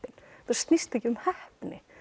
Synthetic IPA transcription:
ɪnθaɾ̥st̪nɪst̪ɛcɪʏmhɛhpnɪ̰

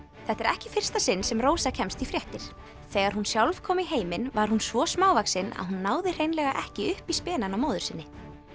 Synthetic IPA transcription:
θɛht̪ɛɾɛhcɪfɪr̥st̪asɪnːsɛmroːwsacʰɛmst̪ifɾjɛht̪ɪɾ̥ | θɛːɣaɾ̥hunsjawlv̥kʰɔːmɪɦeːjmɪnvaɾ̥hunsvɔsmaːwvaksɪna̰ðɦunːaːwðɪr̥ejnlɛɣaʔɛhcɪʏhpispɛːnanawmoːwðʏɾ̥sɪnːɪ

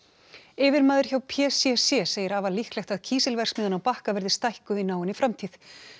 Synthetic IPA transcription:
ɪːvɪɾmaːðʏɾ̥çawpʰɛsɛsjɛseːjɪɾaːvalihklɛxt̪aðcʰiːsɪlvɛr̥smɪːðʏnawpahkavɛɾðɪst̪ajhkʏinaːwɪnifɾamt̪ʰiːθ

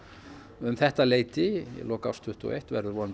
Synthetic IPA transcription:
ʏmθɛht̪aleːjt̪ɪjɛ̰lɔːka̰wst̪ʰʏht̪ɔ̰ʔejht̪vɛ̰ɾðʏɾvɔnn

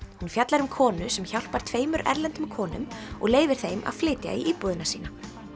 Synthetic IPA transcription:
hunfjat̪laɾʏmkʰɔːnʏsɛmçawl̥paɾ̥t̪ʰveːjmʏɾɛ̰ɾlɛnt̪ʏmkʰɔːnʏ̰mɔ̰ɣleːjvɪɾ̥θejmʔa̰ð̥flɪːt̪ja̰iʔiːpɔðɪnasiːna

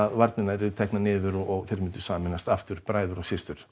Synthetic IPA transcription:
aðvaɾt̪nɪnaɾɪðt̪ʰɛknanɪːðʏɾɔɔɣθɛɾmɪnt̪ʏ̥saːɣamɪnːast̪aft̪ʏɾ̥pɾaːjðʏɾasɪst̪ʏɾ̥

